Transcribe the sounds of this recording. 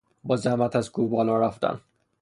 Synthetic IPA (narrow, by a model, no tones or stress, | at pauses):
bɒːzæmæt̪ʰæzɡubɒːlɒːɾæft̪æ̰n